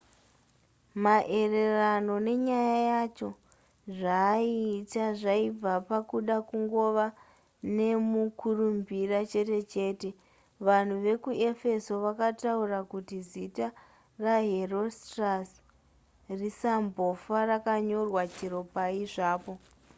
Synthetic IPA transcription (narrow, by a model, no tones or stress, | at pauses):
maʔe̞re̞rano̞ne̞ɲajajat͡ʃo̞ | ʐaːiːtaʐaib͡vapakuɗakuŋɡo̞ʋa | ne̞mukʰurumbirat͡ʃe̞te̞t͡ʃe̞ːte̞ | ʋan̤uʋe̞kue̞fe̞so̞ʋakataurakutizita | raɦero̞stras | risambo̞farakaɲo̞rwat͡ʃiɾo̞paiʐaːpo̞